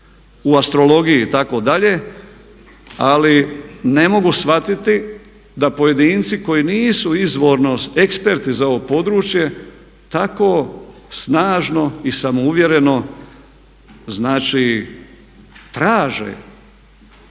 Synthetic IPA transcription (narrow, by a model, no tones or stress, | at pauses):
uast̪ɾo̞lo̞ɡijit̪ako̞d̪aʎe̞ | aline̞mo̞ɡusʋat̪it̪i | d̪apo̞je̞d̪iːnt̪siko̞jiniːsuizʋo̞ːɾnoekspe̞ɾt̪izao̞ʋopo̞d̪ɾuːt͡ʃje̞ | t̪akoːsnaːʒno̞isamouʋje̞ɾe̞no̞ | znaːt͡ʃi | t̪ɾaːʒḛ